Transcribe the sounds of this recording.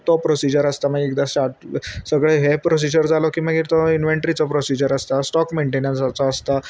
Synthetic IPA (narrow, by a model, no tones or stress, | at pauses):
t̪ɔpɾosid͡ʑəɾəst̪aməɡekd̪asʈaɾʈsəɡɭeɦepɾos̬id͡ʑəɾd͡zalɔkĩməɡiːɾt̪ɔinʋeɳʈɾit͡sɔpɾosid͡ʑəɾəst̪asʈɔkmeɳʈenãnsat͡saːst̪a